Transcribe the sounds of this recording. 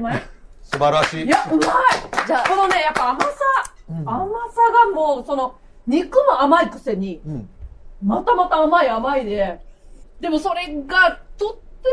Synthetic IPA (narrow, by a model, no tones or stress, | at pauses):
masɨbaɾaɕiːjaɯmaid͡ʑaːskonone̞japːaːmasaamasaɡamoːso̞no̞ | ɲ̟ikɯ̟moamaikɯ̟se̞ɲ̟i | mat̪amat̪aːmaiamaid̪e̞ | d̪e̞mo̞so̞ɾe̞ɡat̪otː